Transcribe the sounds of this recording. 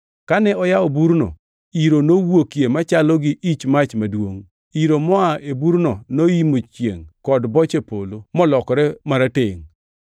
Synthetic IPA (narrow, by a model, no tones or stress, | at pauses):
kanɛɔjaobuɾno̰ | iɾonowokjemat͡ʃalɔɡɪʔit͡ʃmat͡ʃmadwoŋ | iɾomɔaʔebuɾnonoimot͡ʃjḛŋkɔdbɔt͡ʃepolomɔlɔkɔɾɛmaɾateŋ